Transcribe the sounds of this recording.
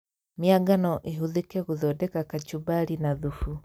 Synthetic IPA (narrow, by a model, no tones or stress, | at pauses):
mjaɡanɔʔeɦuðekɛɣuðɔdɛkakat͡ʃubaɾinaðufu